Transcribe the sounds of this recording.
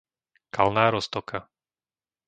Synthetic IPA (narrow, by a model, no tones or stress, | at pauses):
kalnaːɾɔst̪ɔka